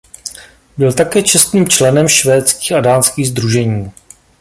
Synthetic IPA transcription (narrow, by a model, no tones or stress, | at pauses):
bɪlt̪akɛːt͡ʃɛst̪niːmt͡ʃlɛnɛmʃvɛːt̪t͡skiːxadaːnskiːɣzd̪ɾuʒɛɲiː